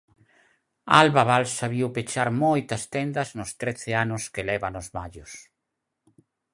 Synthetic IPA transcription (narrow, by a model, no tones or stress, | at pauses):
a̰lβaβalsaβiwpet͡ʃaɾmojt̪ɐst̪ɛnd̪ɐznʊst̪ɾeθeanʊskelɛβanʊzβaʎʊs